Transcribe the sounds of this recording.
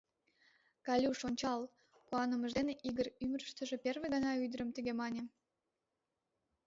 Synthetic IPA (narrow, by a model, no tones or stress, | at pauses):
kɑlʲuʃonʲt͡ɕɑl | kuɑnəməʒd̪eneʔiɣəryməɾəʃt̪əʒeperβeɣɑnɑyd̪əɾəmt̪əɣemɑnʲe